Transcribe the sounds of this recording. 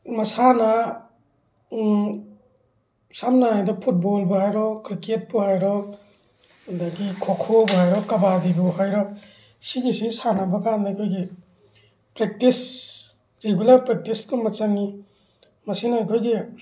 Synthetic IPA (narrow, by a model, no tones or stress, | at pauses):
mɐsana | samnaajdɔpʰut̚bɔlbɔɦajɾɔkɾiket̚buɦajɾɔ | dakikʰokʰobɔɦajɾɔkɐbadibɔɦajɾɔ | siɡisisanabakandajkʰojɡi | pɾek̚tis | ɾeɡulaɾpɾek̚tiskɔmɐt͡ʃaŋi | mɐsinajkʰojɡi